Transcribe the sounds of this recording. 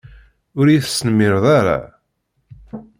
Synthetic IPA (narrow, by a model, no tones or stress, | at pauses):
ʊɾjiθsːnmɪɾðˤaɾa̰